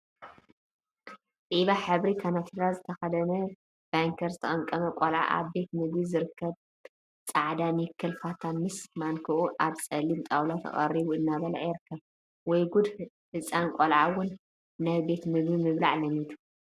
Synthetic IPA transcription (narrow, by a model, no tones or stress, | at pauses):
t̪ʼiβaħɨβɾikʰanat̪ʰiɾazɨt̪ʰɐxɐd̪ɐnɐ | b̥aŋkʰɐɾzɨt̪ʰɐχʼɐŋkʼɐmɐkʷʼolʕa̰ʔa̰βbe̞t̪mɨɡizɨɾɨkːɐβ | t͡sʼaʕd̪anikʰːɨlfat̪ʰanmɨsmaŋkʰɨʔuʔaβt͡sʼɐlimt̪ʼawlat̪ʰɐ̰χʼɐ̰ɾiβuɨnːaβɐlaʔajɪɾɨkʰːɐβ | wɔjɡud̪ | hɨsʼankʷʼolʕawʊnː | ajbe̞t̪mɨɡimɨβlaʕlɐmit̪ʰu̥